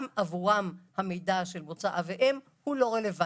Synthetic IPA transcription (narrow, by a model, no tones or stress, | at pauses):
mʔavuʁamhamejdaʃelmot͡saʔaveʔem | hulo̞ʁeleva